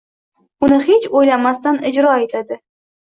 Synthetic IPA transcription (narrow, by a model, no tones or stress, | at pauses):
ʊnɪhet͡ʃojlamast̪anɪd͡ʒɾɒat̪ʰlad̪ɪ